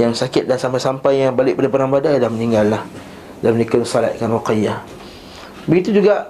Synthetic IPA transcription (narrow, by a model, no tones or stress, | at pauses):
jaŋsakɪt̪̚dansampajsampajːaŋbalɪʔpadapəɾaŋbadadahməniŋɡalːah | damənikʊnsala̰t̪̚kanwoqaja | bəɡit̪ud͡ʒuɡaʔ